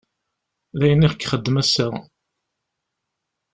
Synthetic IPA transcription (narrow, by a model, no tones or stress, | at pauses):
ðæjənːiʁəkːχəd̪ːəmæsæ